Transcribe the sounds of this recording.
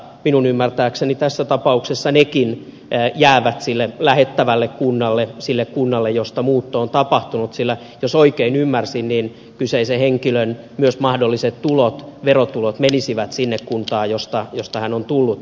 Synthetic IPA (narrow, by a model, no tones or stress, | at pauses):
minunymːært̪æːksenit̪æsːæt̪ɑpɑuksesːɑnekin | jæːʋæt̪silːelæhet̪ːæʋælːekkunːɑlːesilːekkunːɑlːejjost̪ɑmuːt̪ːoːnt̪ɑpɑht̪unut̪silːæ | josoikeinymːærsinniːn | kyseiseheŋkiløn | myøsmɑhdolːiset̪t̪ulot̪ʋerot̪ulot̪menisiʋæt̪sinːekkunt̪ɑːjost̪ɑjost̪ɑhænont̪ulːut̪